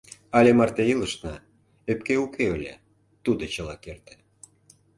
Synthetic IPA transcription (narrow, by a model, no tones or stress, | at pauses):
ɑlʲemɑrt̪eilˠə̆ʃnɑ | ep̚keukeølʲḛ | t̪ud̪ot͡ɕɤ̆lˠɑkert̪ĕ̥